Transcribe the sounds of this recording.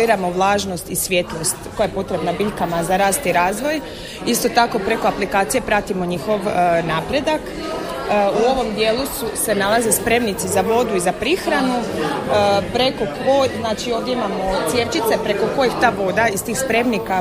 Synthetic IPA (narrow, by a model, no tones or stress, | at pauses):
iːɾamo̞ʋlˠaːʒno̞st̪isʋjet̪lˠo̞st̪ko̞jajepo̞t̪ɾe̞bnabiʎʲkamazaɾaːst̪iɾaːzʋo̞j | ist̪o̞t̪ako̞pɾe̞ko̞aplikaːt̪sije̞pɾat̪imo̞ɲixo̞ʋnaːpɾe̞d̪akː | uo̞ʋo̞md̪je̞ːlˠususe̞nalˠaze̞spɾe̞mnit̪sizaʋo̞d̪uizapɾixɾanu | pɾe̞ko̞kojznaːt͡ʃio̞ːʋd̪jeimamo̞t̪sʲjet͡ʃit̪sepɾeko̞ko̞jixt̪aːʋo̞d̪aist̪iːxspɾe̞mnika